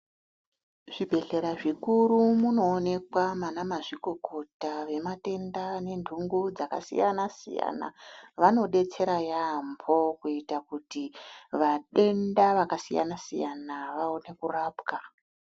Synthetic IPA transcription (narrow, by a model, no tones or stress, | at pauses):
ʐ̥ibʱe̞ɬe̞ɾaʐikuɾumuno̞ːne̞kwamanamaʐiko̞ko̞taʋe̞mate̞ndane̞ndʱuŋɡud͡zaka̰sḭjanasḭja̰na̰ʋano̞ɗe̞t͡se̞ɾajambʰo̞kuitakutiʋaɗe̞ndaʋakasija̰nasḭjanaʋao̞ne̞kuraːbka